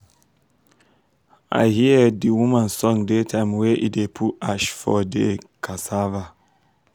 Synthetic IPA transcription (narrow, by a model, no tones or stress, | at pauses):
ʔa̰jhiədiwumãnsɔ̃ŋdetʰãɪmweʔidepʰutaʃfɔdekʰasava